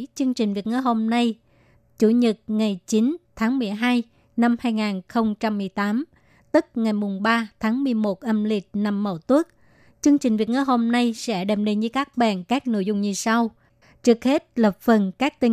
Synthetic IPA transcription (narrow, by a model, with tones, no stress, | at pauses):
t͡ɕɨ˧əŋt͡ɕï˨˩ŋ̟vi˨˩ət̚ŋə˧˩ɦo˧mna˧j | t͡ɕu˧˩ɲɨ˨˩t̚ŋa˨˩jt͡ɕi˨˦nt̪ʰaː˨˦ŋmɨ˨˩əjɦaː˧j | na˧mhaː˧jŋaː˨˩nxə˧wŋ͡mt͡ɕa˧mːɨ˨˩əjt̪aː˨˦m | t̪ɨ˦˥k̚ŋa˨˩jmʊ˨˩ŋ͡mɓaː˧t̪ʰaː˨˦ŋmɨ˨˩əjmo˨˩t̚ʔə˧mli˨˩t̚na˨˩mːə̰˧˩wt̪wu˦˥ək̚ | t͡ɕɨ˧əŋt͡ɕï˨˩ŋ̟vi˨˩ət̚ŋɨ˧˩ɦo˧mna˧jsɛ̰˧˥ɗɛ˨˩m̚ɗe˨˩ɲɨ˧kaː˦˥k̚ɓa̰ː˧˨nkaː˦˥k̚no̰˧˥˨jzʊ˧wŋ͡mɲɨ˧sa˧w | t͡ɕɨ˦˥ək̚he˦˥t̚lə˨˩p̚fə˨˩nkaː˦˥k̚t̪ï˧˩